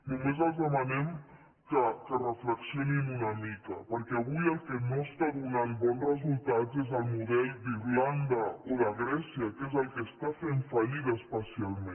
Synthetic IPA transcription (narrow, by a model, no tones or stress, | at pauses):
numezəlˠzðəmanɛm | kəkərəfləksionimunamikə̰pəɾkɛaβujəlˠkənost̪aðunanbɔnrəzult̪azezðəlˠmuðɛlˠd̪iɾland̪aoðaɣɾɛsiakezəlˠkest̪afenfaʎiðaspəsialˠmẽ